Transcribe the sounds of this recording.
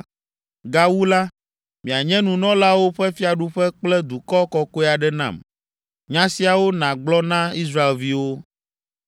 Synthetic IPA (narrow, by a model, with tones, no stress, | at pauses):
ɡa˨wu˦la˦ | mĩ˨a˨ɲɛ̃˦nũ˨nɔ̃˦la˦wo˦ɸɛ˦fi˦a˨ɖu˦ɸɛ˦k͡plɛ˦d̪u˨kɔ˦kɔ˦ko˦ɛ˦˨a˨ɖɛ˦nã̰˨m | ɲã˦si˦a˨wo˦nã˨ɡ͡blɔ˦nã˦i˦s̬ɾa˦e˨lvi˦wo˦